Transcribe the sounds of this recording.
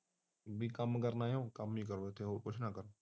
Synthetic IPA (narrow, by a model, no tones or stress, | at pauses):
bʱiːkəmkəɾnaːjõːkəmik̬əɾʋeːt̪ʰeːɦokot͡ʃʰnaːkəɾn